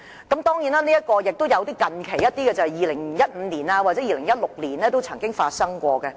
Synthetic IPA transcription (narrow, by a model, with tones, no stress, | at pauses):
kɐ˨˥mt̪ɔː˥ŋji˨˥naː˥niː˥jɐ˥t̚kɔː˧jɪ˨k̚t̪o˥wjɐ˨˧wt̪iː˥kɐ˨nkʰe˨˩jɐ˥t̪̚iː˥kɛ˧t͡sɐ˨˩hɛ˨jiː˧lɪ˨˩ŋ˨jɐ˥t̚m̩ː˨˧niː˨˩naː˧waː˨˩t͡sɛː˨˥jiː˧lɪ˨˩ŋjɐ˥t̚lʊ˨k̚liː˨˩nlɛː˥t̪o˥wt͡sʰɐ˨˩ŋkɪ˥ŋfaː˧t̚sɐ˥ŋkʷɔː˧kɛ˧